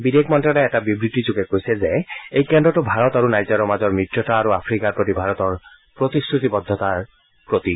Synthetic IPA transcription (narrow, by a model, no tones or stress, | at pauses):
bidekmɔntalɛɛtabibɹitizuɡɛkojsɛzeejkɛndɹɔtʊbʱaɹɔt̪aɹunajzɔɾɔmazɔɹmɹitɹɔtaːɹuapʰɹikaɹpɹot̪ibʱaɹɔt̪ɔɹ | pɹot̪isʰɹut̪ibɔd̪ʱːɔt̪aɹ | pɹot̪i